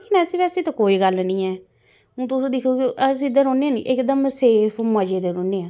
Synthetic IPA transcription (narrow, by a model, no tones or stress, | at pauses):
kɪnɛːsiːʋɛːsiːt̪akoːiːɡəlnĩːɛː | ũːt̪ʊsũːd̪ɪkʰːoːkeʔəsiːd̪əɾõːneːaːniʔɪkd̪əmseːpʰməd͡ʒeːd̪eɾõːneːãː